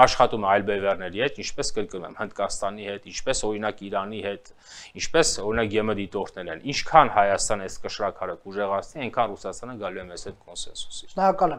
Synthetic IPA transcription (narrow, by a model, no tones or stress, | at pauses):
ɑʃχɑt̪umɛɑjlbɛvɛrnɛɾihɛt̪int͡ʃʰpɛskəɾkənumɛ̰mhənd̪kɑst̪ɑnihɛt̪int͡ʃʰpɛsɔɾinɑkiɾɑnihɛt̪ | int͡ʃʰpɛsɔɾinɑkjɛməd̪it̪ɔɾt̪ʰnɛɾɛnint͡ʃʰkʰɑnhɑjɑst̪ɑnəɛskəʃɾɑkʰɑɾəkuʒɛʁɑt͡sʰniɛnkʰɑnrusɑst̪ɑnəɡɑlujɛmɛzhɛt̪kɔnsɛ̰nsu̥sikɑlu